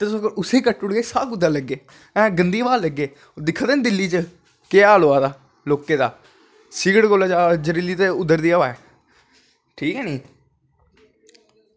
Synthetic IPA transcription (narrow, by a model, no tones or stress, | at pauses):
t̪eːsoːɡəʊseːkəʈːʊɽɡeːsaːkʊd̪aːləɡːeː | ɛ̃ːɡənd̪iːʋaːləɡːeː | d̪ɪkʰːd̪eːnd̪ɪlːiːt͡ʃə | kɪaːloːaːd̪aː | loːkeːd̪aː | sɪɡəɽɡoːlaːd͡ʒaːd͡ʒəɾiːliːt̪eʊd̪ːəɾd̪iːaːʋaːɛː | ʈʰiːkɦɛːniː